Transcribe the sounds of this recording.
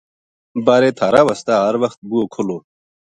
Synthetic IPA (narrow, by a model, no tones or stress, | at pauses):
baːɾet̪ʰaɾawɐst̪aɦɐɾwɐxt̪̚buokʰoloː